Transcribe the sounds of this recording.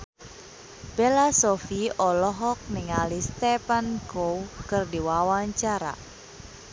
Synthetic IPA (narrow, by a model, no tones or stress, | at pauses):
b̥elasɔfiɔlɔɦɔk̚nɪŋalist̪ɛpankowkɨrdiwawaɲt͡ʃaɾa̰